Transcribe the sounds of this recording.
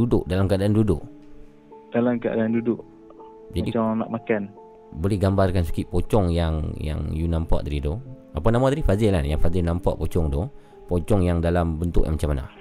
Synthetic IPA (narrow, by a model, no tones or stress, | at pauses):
udʊʔdalamkaadaːndudʊʔ | d̥alamkəa̰daandudʊʔ | d͡ʒadit͡ʃɔŋna̰ʔmakan | bolɛhɡambarkansḁkit̪pot͡ʃɔŋjaŋja̰ŋjunampa̰ʔt̪aɾidɔ | apanamat̪aɾifad͡ʒɪlanjaŋfazɪnampa̰ʔpot͡ʃɔŋdɔh | pot͡ʃɔŋjaŋdalambənt̪ʊʔjaŋmat͡ʃamːana̰